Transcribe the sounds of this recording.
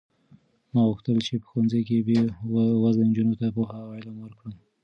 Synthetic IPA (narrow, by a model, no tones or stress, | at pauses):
mɑɣuxt̪əlt͡ʃepə̥xwanzajkebewazand͡ʒunot̪apohaɑjlɑmwəɾkɽə